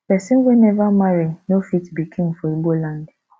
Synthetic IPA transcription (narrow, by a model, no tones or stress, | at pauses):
pɛsĩnwenɛvamaɾinofitbikʰĩŋfɔibolãnd